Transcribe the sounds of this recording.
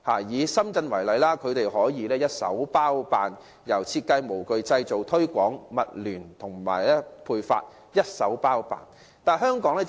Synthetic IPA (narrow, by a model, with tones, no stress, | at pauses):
haː˨˩jiː˨˧sɐ˥mt͡sɐ˧nwɐ˨˩jlɐ˨˧jlaː˥kʰɵ˨˧ɥt̪e˨jhɔː˨˥jiː˨˧lɛː˥jɐ˥t̚sɐ̰˨˥wpaː˥wpaː˨n | jɐ˨˩wt͡sʰiː˧t̚kɐ˧jmo˨˩wkɵ˨˧ɥt͡sɐ˧jt͡so˨˩wt̪ʰɵ˥ɥkʷɔː˨˥ŋmɐ˨t̚lyː˨˩nt̪ʰʊ˨˩ŋma̰ː˨˩jlɛː˥pʰuː˧jfa̰ː˧t̚ | jɐ˥t̚sɐ˨˥wpaː˥wpa̰ː˨˩n | t̪aː˨˩nɦœː˥ŋkɔː˨˥ŋlɛː˥